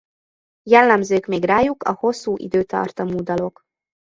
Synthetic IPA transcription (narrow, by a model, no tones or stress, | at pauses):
jɛlːɛmzøːkmeːɡraːjukɒ̰ho̞sːuːʔḭd̪øːt̪ɒ̰rt̪ɒmuːd̪ɒlo̞k